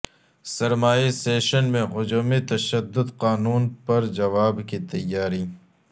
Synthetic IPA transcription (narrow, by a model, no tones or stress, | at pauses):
sɐɾmaːiseːʃənmẽɣʊd͡ʒoːmet̪ɐʃɐd̪ːʊd̪qaːnuːnpɐɾd͡ʒɐʋaːbkit̪ɐjːaːɾi